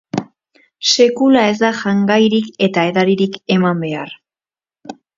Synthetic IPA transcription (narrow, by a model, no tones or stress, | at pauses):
se̞kulae̞z̬d̪aʝaŋɡajɾike̞t̪ae̞ðaɾiɾike̞mambe̞ar